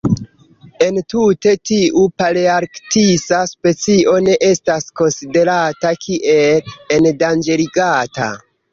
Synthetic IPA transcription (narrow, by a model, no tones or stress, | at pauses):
e̞ntute̞tiʔupaliaɾktisaspe̞t͡siʔo̞ne̞ʔe̞stasko̞nside̞ɾatakʰiʔe̞lendand͡ʒe̞liɡata̰